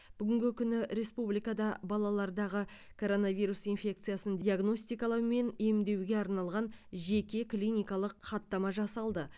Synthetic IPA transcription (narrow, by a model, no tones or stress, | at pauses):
b̥ʏɡʲɪŋɡʲɪkʲʰʏnɪɾe̞spublijkɑd̪ɑbɑlˠɑlˠɑɾd̪ɑʁəkʰo̞ɾo̞navijɾusijnfʲe̞kt̪sɨjasənd̪iaɡno̞st̪ijkɑlˠɑwme̞ne̞md̪e̞wɡʲe̞ɑɾnɑlˠʁɑnʒe̞kʲe̞klʲijnijkɑlˠəqχɑt̪ːɑmɑʒɑsɑlˠd̪ə